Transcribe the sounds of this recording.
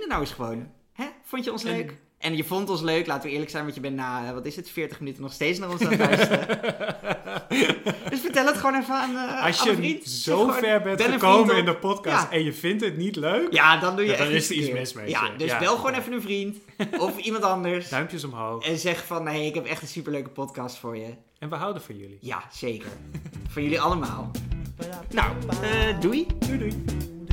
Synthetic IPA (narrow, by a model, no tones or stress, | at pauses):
ndənawɪsχəʋown | ɦɛfontjəɔnsløɥk | ʔɛnjəvɔntɔnsløɥklaːtəʋəɪːɹləksɛjnʋɑnjəbɛntnaːəʋɑtɪsətfɪːɹtəχmənytənɔχstejtt͡ssnaːrɔnsaœstə | døsfəɹtɛləətχəʋoːnɛfəanɑsjəfrintzooɛɹbɛnɛnəowməɪndəpɔtkɑaɛnjəvɪntɦətnitløɥkjadɑndujəɛnɪsəiɪːmɪsmḛja̰døsbɛlˠχəʋoːnɛfənənvrint | ɔfimɑntɑndəɹsœɥmpjəsɔmɦowxɛnzɛχəfɑnːejɪkɦɛpɛχtənsypəɹløɥkəpɔtkɑstfʊːɹjə | ɛnʋəɦawdəfɑnjɵ̰lija̰z̥ejkə̰ɹfɑnjɵliɑləma̰ːlˠ | na̰wədujdudu